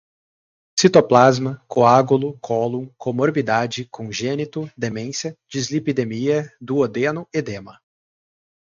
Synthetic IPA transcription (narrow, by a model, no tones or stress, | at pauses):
sit̪oplazmɐkoaɡolʊkʰɔlũkʰomoɾbid̪ad͡ʒɪkʰõʒẽnit̪ʊd̪emẽsiɐd͡ʒizlipid̪emiɐd̪ʊod̪enʊed̪ẽmɐ